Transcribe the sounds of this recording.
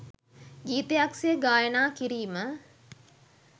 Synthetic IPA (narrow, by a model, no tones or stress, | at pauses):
d͡ʒiːt̪ejaksijəɡaːjənaːkiɾiːmə